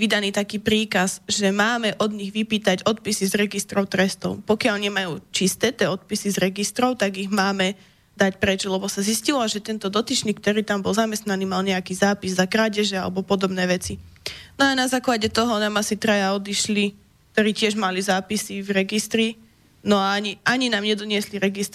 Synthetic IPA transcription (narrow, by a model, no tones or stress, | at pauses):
ʋid̪aniːt̪akiːpɾiːkazʒɛmaːmɛʔɔd̪ɲiɣʋipiːt̪aɟɔt̪̚pisizɾɛɡist̪ɾɔʊt̪ɾɛst̪ɔʊpɔkɪaʎɲɛmajuːt͡ʃist̪ɛːt̪ɪɛːɔt̪̚pisizɾɛɡist̪ɾɔʊt̪aɡiɣmaːmɛ | d̪acpɾɛt͡ʃlɛbɔsaziscilaʒɛt̪ɛnt̪ɔd̪ɔt̪it͡ʃɲiːk̚t̪ɔɾiːt̪ambɔlzamɛst̪naniːmalɲɛakiːzaːpizzakɾaːɟɛʒɛa̰lɛbɔpɔd̪ɔbnɛːʋɛt͡si | nɔanazaːklaɟɛt̪ɔɦɔnaːmasit̪ɾajaɔd̪iʃli | k̚t̪ɔɾiːcɪɛʒmalizaːpisivɾɛɡist̪ɾi | nɔaaɲiaɲinaːmɲɛd̪ɔɲɪɛsliɾɛɡist̪